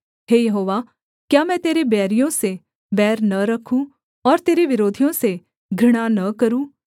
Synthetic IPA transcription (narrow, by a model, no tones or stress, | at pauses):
ɦeːjɐɦoːʋa | kjaːmɛ̃ːt̪eːɾebɛːɾijõse | bɛːɾnɐɾɐkʰːũː | ɔːɾt̪eːɾeʋɪɾoːd̪ʱijõse | ɡʱɪɽ̃anɐkɐɾũː